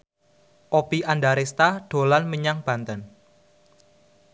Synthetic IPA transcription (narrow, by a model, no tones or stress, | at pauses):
ʔopiʔandaɾest̪aɖ̥o̤lanməɲaŋb̥ä̤nt̪ən